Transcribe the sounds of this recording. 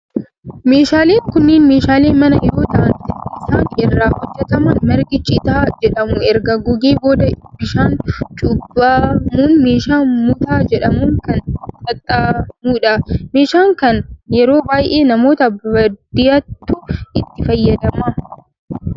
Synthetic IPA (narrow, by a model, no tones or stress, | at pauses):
meːʃaːle̞ːŋkʊnːɪːnmeːʃaːleːnmɐnɐjɛɾo̞ːt̪ɐʔɐnt̪ɪnɪsaːnɪrːaːhɔd͡ʒːɛt̪ɐmɐnmɐɾɡɪt͡ʃʼɪt̪aːd͡ʒɛᶑɐmʊɛɾɡɐɡʊɡeːboːd̪ɐbɪʃaːnt͡ʃʼʊbɐmuːnmeːʃaːnmʊt̪aːd͡ʒɛᶑɐmuːŋkɐnt͡ʃɐt̪ʼːaːmuːᶑɐme̞ːʃaːŋkɐnjɛɾo̞ːbaːjʔe̞ːnɐmo̞ːt̪ɐbɐd̪̥ɪjɐt̪ːʊʔɪt̪ːɪfɐjːɐd̪ɐmɐ